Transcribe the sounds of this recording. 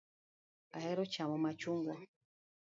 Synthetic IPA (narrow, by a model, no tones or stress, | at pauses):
ahɛɾɔt͡ʃamɔmat͡ʃuŋɡɔ